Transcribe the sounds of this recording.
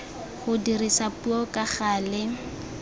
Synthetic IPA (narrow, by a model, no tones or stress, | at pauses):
χʊdirisapuɔkʼaχaːlɛ